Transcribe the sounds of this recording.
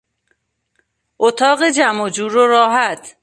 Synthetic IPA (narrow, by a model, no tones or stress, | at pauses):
ʔot̪ʰɒːɣed͡ʒæmod͡ʒuːɾoɾɒːɦæt̪ʰ